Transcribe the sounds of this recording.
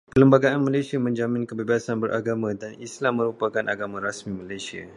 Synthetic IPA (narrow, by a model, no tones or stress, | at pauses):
kələmbaɡaanmalajsiamə̃ɲd͡ʒamĩnkəbebasanbəɾʔaɡamãdanislamːə̃ɾupakanʔa̰ɡamãɾasmĩmalajsia̰